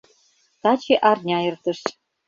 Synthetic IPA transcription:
t̪ɑt͡ɕeʔɑrnʲɑert̪ə̆ʃ

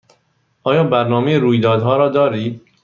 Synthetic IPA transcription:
ʔɒːjɒːbæɾnɒːmejeɾuːjd̪ɒːd̪ɦɒːɾɒːd̪ɒːɾiːd̪̚

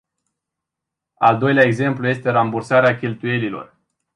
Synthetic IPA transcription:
a̰ld̪o̞jleaeɡze̞mpluje̞st̪e̞ɾambursaɾeakʲe̞lt̪uje̞lilo̞̰r

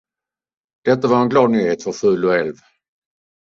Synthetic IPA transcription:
d̪̥ɛt̪ːavaɾɛnɡlɑːd̪̚nyːheːt̪fœɾfʉ̟ːlɔɛlv

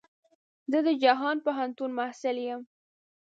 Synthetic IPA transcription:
zəd̪əd͡ʒaɦɑnpaɦant̪unmahsɪljəm

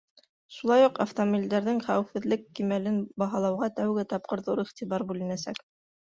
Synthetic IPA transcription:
ʃulˠɑjuqaft̪omobild̪æɾðɘŋχæwɘfɘ̆ðlɘkːimælɘnbɑɦɑlˠɑwʁɑt̪æwɡɘt̪ɑp̚qɤ̆ɾðuɾiχt̪iβɑɾbʉlɘ̆næsæk

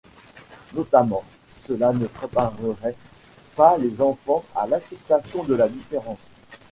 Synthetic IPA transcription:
nɔt̪amɑ̃ | səlanəpχepaʁəʁɛ | palezɑ̃fɑ̃a̰laksɛp̚t̪asjɔ̃d̪əlad̪ifeʁɑ̃s

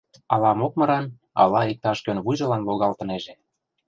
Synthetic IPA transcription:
ɑlɑmokmɤ̆ɾɑn | ɑ̰lɑik̚t̪ɑʃkønβujʒɤ̆lɑnloɣɑlt̪ɤ̆neʒĕ

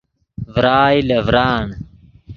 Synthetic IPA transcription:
vɾaːjlevɾaːn

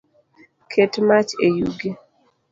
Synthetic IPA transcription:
kʰetmat͡ʃejuɡe

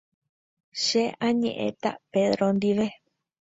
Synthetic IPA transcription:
ʃeãɲḛ̃ʔḛ̃t̪a̰peðɾond̪iʋe

